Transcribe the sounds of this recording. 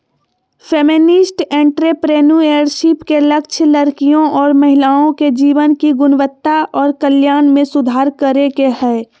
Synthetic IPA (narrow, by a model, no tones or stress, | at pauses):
feːmɪnɪsʈɛ̃ːɳʈɾepɾeːnueːəɾʃɪpkeləkt͡ʃʰələɾkijõʔɔːɾmɐɦɪlaːõked͡ʒiːʋənkiɡʊnʋət̪ːaʔɔːɾkəljaːnmẽsʊd̪ʱaːɾkəɾekehɛː